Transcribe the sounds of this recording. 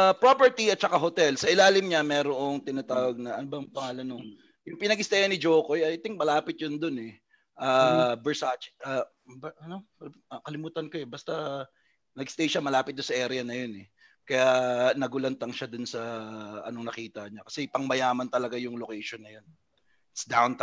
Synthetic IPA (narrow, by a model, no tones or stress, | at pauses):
ɐpɹopɛɹt̪iɐt̪̚t͡ʃɐkaɦo̞t̪ɛlsɐʔɪlaːlɪmɲɐmɛɾoʔoŋt̪ɪnɐt̪aːwɐɡ̚nɐʔɐnobɐjŋpɐŋaːlɐnoŋ | jʊŋpɪnɐɡɪst̪ajɐnɪd͡ʒoːkojɐjt̪ɪŋk̚mɐlaːpɪt̪̚jond̪onɛ | ʔaːbɛɹsat͡ʃʔa | bʔɐno | ɐkɐlɪmuːt̪ɐnkoɛbɐst̪ɐ | nɐɡst̪ɐjʃamɐlaːpɪt̪̚d̪ʊnsɐʔɛːɾɪjɐnɐjonɛ | kɐjanɐɡʊlɐnt̪ɐŋʃad̪ʊnsɐʔɐ̰noŋnɐkiːt̪ɐɲakɐ̥sɛpɐŋmɐjaːmɐnt̪ɐlɐɡajʊŋlokɛjʃonːɐjon | t̪sd̪awnt̪